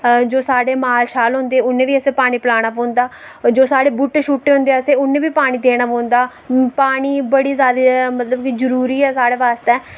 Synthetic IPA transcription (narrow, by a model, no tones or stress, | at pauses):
d͡ʒoːsaːɽeːmaːlʃaːlɦʊ̃nd̪eːʊnːẽːʋiːəsẽːpaːɽ̃iːpəlaːɽ̃aːpõːnd̪aː | d͡ʒoːsaːɽeːbʊʈːʃuːʈːeːɦʊ̃nd̪eːəsẽːʊnːẽːbiːpaːɽ̃iːd̪eːɽ̃aːpõːnd̪aː | paːɽ̃iːbəɽiːzjaːd̪emət̪ləbkizəɾuːɾiːɛːsaːɽeːʋaːst̪ɛː